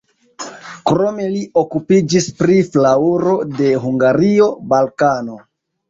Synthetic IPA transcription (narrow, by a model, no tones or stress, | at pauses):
kɾo̞me̞lio̞kupid͡ʒispɾiflauɾo̞de̞ɦuŋɡaɾio̞balkano̞